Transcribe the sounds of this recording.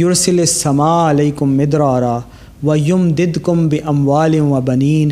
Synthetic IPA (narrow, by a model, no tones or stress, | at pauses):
jʊɾsɪlasːɐmaːalaːkʊmːɪd̪ɾaːɾaː | wɐjʊmd̪ɪd̪kʊmbɪʔɐmwaːlɪwɐbɐniːn